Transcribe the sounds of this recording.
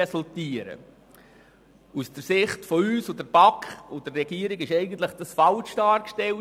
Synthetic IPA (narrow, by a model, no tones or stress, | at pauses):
ɛsʊlt̪iəɾə̰ | usd̥əɾsɪχtfɔyːsodəɾb̥ɑkχod̥ərrɛɡ̥iəɾɪɡɪʃɛɪɡən̩t̪ləχd̥ɑsfɑlʃd̥ɑːɾkʃtɛl